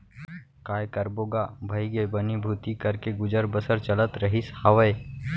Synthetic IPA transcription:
kaːjkəɾboːɡabʱɐjɡebənibʱuːt̪ikəɾkeɡʊd͡ʒəɾbəsəɾt͡ʃələt̪ɾəɦishɐʋəj

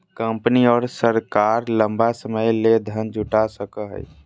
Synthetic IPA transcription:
kə̃mpniɔːɾsəɾkaːɾlə̃mbasəməjled̪ʱənd͡ʒʱʊʈasəkəɦɛ̰j

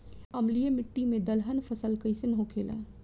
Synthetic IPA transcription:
ɐmlijemɪʈːimẽd̪əlɦənpʰəsəlkɐɪsenɦokʰeːla̰ː

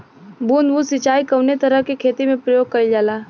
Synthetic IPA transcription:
buːnbusɪt͡ʃaːikɐʊnet̪ɐɾəɦkekʰeːt̪imẽpɾəjoːɡ̚kɐid͡ʒaːlaː

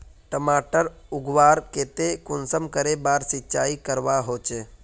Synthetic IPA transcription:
ʈəmaːʈəɾʊɡʋaːɾkeːt̪ekʊnsəmkəɾebaːɾsɪtːt͡ʃʰaːikəɾʋaɦoːt͡ʃe

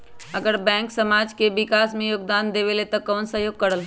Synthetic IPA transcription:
ɐɡəɾbɛ̃ːŋksɐmaːd͡ʒkeʋɪkaːsmẽjoːɡ̚d̪aːnd̪eʋelet̪okɔːnsɐɦjoːɡ̚kɐɾəl

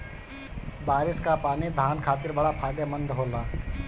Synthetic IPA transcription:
baːɾɪskapaːnid̪ʱaːnkʰaːt̪ɪɾbɐɽapʰaːd̪emə̃nd̪ɦoːlaː

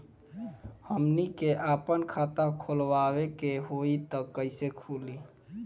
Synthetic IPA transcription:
həmnikeʔapənkʰat̪akʰolʋawekeɦoit̪əkːəɪsekʰuli

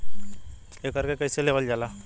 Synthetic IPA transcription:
ekəɾkekəjseleʋəld͡ʒala

